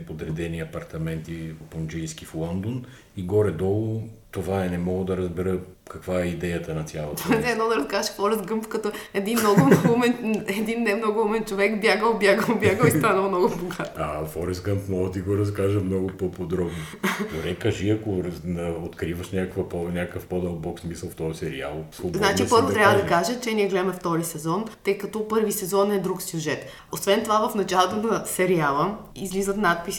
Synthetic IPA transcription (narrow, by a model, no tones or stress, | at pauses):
pod̪ɾɛd̪ɛniɐpɐɾt̪ɐmɛnt̪ipond͡ʒijskiflˠɔnd̪on | iɡɔɾɛd̪ɔlˠʊt̪ovaɛnɛmɔɡəd̪ɐɾɐzbɛɾə | kɐkvaɛid̪ɛjət̪ɐnɐt̪sʲjalˠot̪onɛd̪nɔd̪ɐɾɐskazəʃfɔɾɛsɡɤmpfkɐt̪ɔɛd̪innɔɡʊumɛnɛd̪inːɛmnoɡʊumɛnt͡ʃovɛkbʲjaɡəlˠbʲjaɡəlˠbʲjaɡəlist̪anəlˠnɔɡʊboɡat̪ɐfɔɾɛsɡənt̪mɔɡət̪iɡoɾɐskaʒəmnɔɡʊpopod̪ɾɔbnoɡoɾɛkɐʒiɐkoɾnɐot̪kɾivəʃnʲakəkvɐpɔnʲakkəfpɔd̪əlˠbɔkssmisəlˠft̪ɔɐsɛɾḭa̰lˠsluznat͡ʃipɤɾvot̪ɾʲabvəd̪ɐkaʒət͡ʃɛniɛɡlɛmɛft̪ɔlisɛzɔnt̪ɤjkɐt̪ɔpɤɾvisɛzɔnɛd̪ɾuksʲjuʒɛt̪ | osvɛnt̪ovavɐfnɐt͡ʃalˠot̪onɐsɛɾialˠəizlizət̪nat̪̚pis